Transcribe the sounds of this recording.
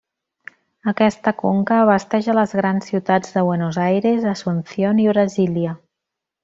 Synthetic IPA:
əkɛst̪əkoŋkəːβəst̪ɛʒələzɣɾansːiwt̪ad͡zðəβwenozajɾezəsunsioniβɾəziliə

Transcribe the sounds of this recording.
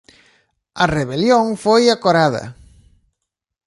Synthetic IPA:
ɐreβeljoŋfojakoɾaðɐ̰

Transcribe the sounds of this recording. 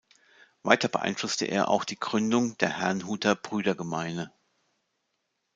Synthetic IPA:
va̰ɪtɐbə̰ʔa̰ɪnflʊstə̰ʔḛːɐʔa̰ʊxd̥iːɡʁʏndʊŋd̥eːɐhɛɐnɦuːtʰɐb̥ʁyːdɐɡəmaɪnə

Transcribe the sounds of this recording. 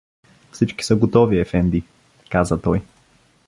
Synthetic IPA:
fsit͡ʃki̥səɡot̪ɔviɛfɛnd̪i | kazət̪ɔj

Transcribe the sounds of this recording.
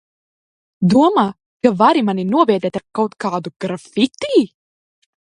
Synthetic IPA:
d̪uɔmaː | kavaɾimaninuɔbɛːd̪ɛːt̪aɾkawt̪kaːd̪uɡ̥ɾafit̪iː

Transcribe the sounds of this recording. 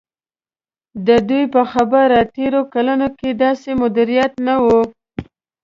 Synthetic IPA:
d̪əd̪ujpəxabaɾat̪eɾokalanoked̪ɑsemʊd̪ɪɾijat̪nawu

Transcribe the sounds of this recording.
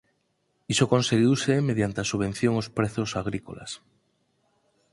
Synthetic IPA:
isoko̞nseɣjiuwsemeð̞jant̪easuβe̞n̟θjoŋospɾeθosaɣ̞ɾiko̰la̰s

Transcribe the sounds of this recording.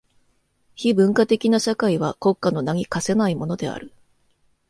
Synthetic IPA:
çibɯ̟̃ŋkat̪e̞kʲinaɕakaiβako̞kːano̞naŋ̟ʲikase̞naimo̞no̞d̪e̞a̰ɾɯ̟

